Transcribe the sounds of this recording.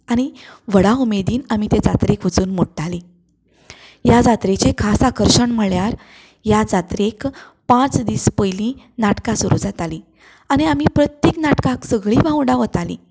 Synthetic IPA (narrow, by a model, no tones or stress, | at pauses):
aɽ̃iʋəɽaumed̪iːnam̤it̪ed͡zat̪ɾekʋəd͡zuːnmoɽʈali | jad͡zat̪ɾet͡ɕekʰasakəɾɕəɳm̤əɭjaɾ | jad͡zat̪ɾek | pãt͡sd̪iːspəjlĩ | naʈkasuɾud͡zat̪aliː | aɽ̃iam̤ipɾət̪jeknaʈkãksəɡɭiːbʱãɳɖaʋət̪alḭː